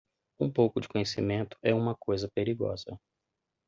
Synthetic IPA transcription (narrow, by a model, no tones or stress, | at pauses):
ũpowkʊd͡ʒɪ̥kõɲesḭmẽnt̪ʊ̥ɛũmɐkojzɐpeɾiɡɔ̰zɐ̰